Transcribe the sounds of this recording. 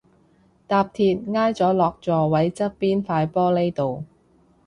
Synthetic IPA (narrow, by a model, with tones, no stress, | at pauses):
t̪aː˧p̚t̪ʰiː˧t̚ŋaː˥jt͡sɔː˨˥lɔː˧k̚t͡sɔː˨˧wɐ˨˥jt͡sɐ˥t̚piː˥nfaː˧jpɔː˥le˥jt̪o˨w